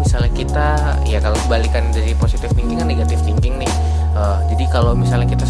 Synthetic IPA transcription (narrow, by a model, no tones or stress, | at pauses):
misalɲakit̪a | ḭjakalokəbalikandaɾiposit̪ɪfbiŋkɪŋaneɡat̪ɪfbiŋkɪŋnɪh | ə | d͡ʒadikalowmisalɲahkit̪a